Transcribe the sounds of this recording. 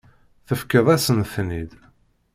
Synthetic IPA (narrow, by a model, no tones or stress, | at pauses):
θəfkəðˤæsənθnid̪